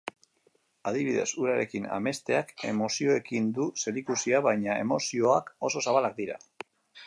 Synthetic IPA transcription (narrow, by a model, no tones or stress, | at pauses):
aðiβ̞iðe̞̰suɾaɾe̞kina̰me̞st̪e̞ake̞̰mo̞sio̞e̞kind̪use̞ɾikusiaβajɲae̞mo̞sio̞ako̞so̞saβalak̚d̪iɾa̰